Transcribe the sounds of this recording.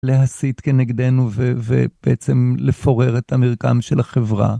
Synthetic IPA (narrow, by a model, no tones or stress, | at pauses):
leɦasit̪keneɡd̪enuvevḛb̥eʔet͡semlefoʁe̞ʁet̪hamiʁka̰mʃelaχevʁa̰